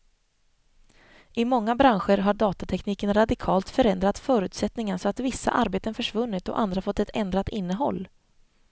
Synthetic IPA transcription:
ʔɪmɔŋːabɾanɧəɾɦaɖɑːt̪at̪ʰɛkniːkənɾad̪ɪkʰɑːlt̪fœɾɛnd̪ɾat̪fœːɾʉ̟ːt̪sɛt̪nɪŋansɔat̪vɪsːa̰ʔaɾbeːt̪ənfœʂvɵnːɪt̪ɔ̰ʔa̰nd̪ɾafɔt̪ːɛt̪ɛnd̪ɾat̪ɪnːəɦɔ̰lː

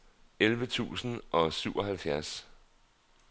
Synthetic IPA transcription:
elʋət͡sʰṵːsn̩ʔɒ̽syʊɒ̽ɦælfjæɐs

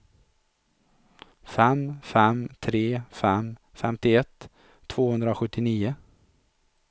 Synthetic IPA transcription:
fɛmfɛmt̪ʰɾeːfɛmfɛ̰mt̪ɪɛt̪ʰː | v̥oːhɵnd̪ɾaɧɵt̪ːɪniːʊ

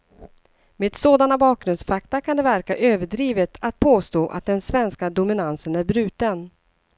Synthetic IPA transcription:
meːd̪soːd̪anabɑːk̚ɡɾɵnd̪sfakt̪akʰand̪ɛvæɾkaʔøːvəɖɾiːvət̪ʰat̪̚pʰoːst̪oːʔa̰t̪̚d̪ɛnsvɛnskad̪ʊmɪnansənæɾbɾʉ̟ːt̪ən

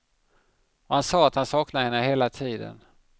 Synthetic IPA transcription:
ɔhansɑːat̪hansɑːknad̪əhɛnːəɦeːlat̪ʰiːd̪ə̰n

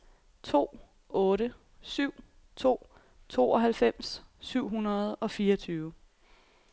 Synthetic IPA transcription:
t͡sʰo̝̰ː | ɔ̽ːɾə | syʊ̰ | t͡sʰo̝̰ː | t͡sʰo̝̰ːɒ̽ɦælfem̰sːyʊ̰ɦunɐð̞̩ˠɒ̽fiːʌt͡sʰyːʊə

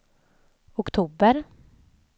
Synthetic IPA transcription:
ʊkt̪ʰuːbəɾ

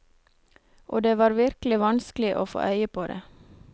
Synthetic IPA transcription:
ʔoːd̪eːʋɑːɾʋɪɾklɪʋɑnsklɪʔo̰ːfo̰ːʔœʏəpʰoːd̪ḛː

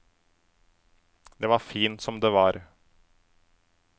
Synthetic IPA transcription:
d̪eːʋɑɾfiːnt̪sɔmd̪eːʋɑːɾ

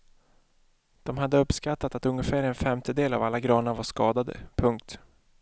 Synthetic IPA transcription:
d̪̥ɔmɦad̪ːəɵpːskat̪ːat̪at̪ɵŋːəfæːɾɛnfɛmt̪əd̪eːla̰valːaɡɾɑːnaɾvaʂkɑːd̪ad̪ə̰pʰɵŋk̚t̪

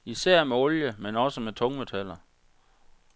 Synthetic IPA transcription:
isæɐ̰meɔ̽ljəmenɒ̽səmet͡sʰɔ̽ŋmet͡sʰæl̰ɐ

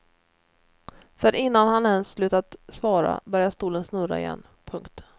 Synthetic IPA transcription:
fœɾʔɪnːanhanɛnsːlʉ̟ːt̪at̪svɑːɾa̰bœɾjaʂt̪uːlənsnɵɾa̰ɪ̰jɛ̰nː | pʰɵŋkt̪

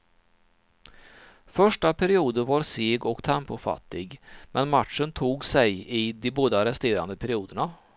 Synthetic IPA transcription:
fœʂʈapʰæɾɪuːd̪əɾvɑɾseːɡɔkt̪ʰɛmpʊfa̰t̪ːɪɡmɛnmat̪ʂənt̪ʰuːɡsɛjɪd̪ɪboːd̪aaɾɛst̪eːɾa̰nd̪əpʰæɾɪuːd̪əɳa

